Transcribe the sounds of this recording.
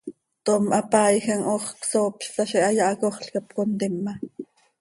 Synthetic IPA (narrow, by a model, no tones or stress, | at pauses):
t̪omʔɑpɑːjxɑŋʔoχksoːpʃt̪ɑʃiʔɑjɑʔɑkoχɬkɑp̚kont̪imːɑ